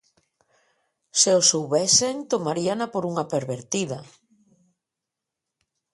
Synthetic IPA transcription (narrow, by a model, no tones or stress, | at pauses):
seosowβɛseŋt̪omaɾianapoɾuŋapeɾβeɾt̪iða